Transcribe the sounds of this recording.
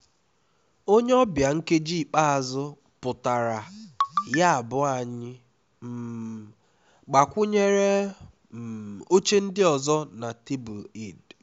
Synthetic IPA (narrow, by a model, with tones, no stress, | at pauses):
o˦ɲe˦ɔ˦bja˨ŋ̩˦ke˦d͡ʒi˦˨k͡pa˦a˨zʊ˦ | pʊ˨ta˨ɾa˨ja˦a˨bʊ˦a˨ɲɪ˦ | m̩˨ | ɡ͡ba˨kʷʊ˦ɲe˦ɾe˦˨ | o˦t͡ʃe˦n̩˦dɪ˦ɔ˨zɔ˦na˨ti˦bu˨i˨d